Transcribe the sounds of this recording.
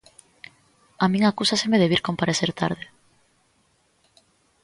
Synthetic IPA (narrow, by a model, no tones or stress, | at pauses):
amĩŋakusasemeðeβiɾkompaɾeθeɾt̪a̰ɾð̞e